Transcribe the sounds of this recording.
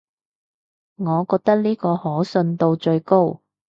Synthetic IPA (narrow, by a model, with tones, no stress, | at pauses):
ŋɔː˨˧kɔː˧k̚t̪ɐ˥k̚liː˥kɔː˧hɔː˨˥sɵ˧nt̪o˧wt͡ʃɵ˧ɥko˥w